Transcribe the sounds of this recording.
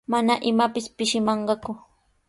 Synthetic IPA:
manaʔɪmapɪspɪʃɪmɑɴɢɑkʊ

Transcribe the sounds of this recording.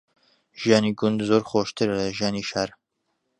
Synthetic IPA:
ʒijɑːniɡʊnd̪zoːɾxoːʃt̪ɨɾlɛʒjaːniːʃaːɾ

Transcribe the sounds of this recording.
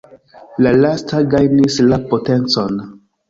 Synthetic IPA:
lalastaɡajnislapo̞te̞nt͡so̞n

